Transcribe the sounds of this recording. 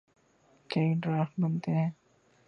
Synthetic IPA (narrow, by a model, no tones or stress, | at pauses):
kɐĩɖɾaːfʈbɐnt̪eɦɛ̃ː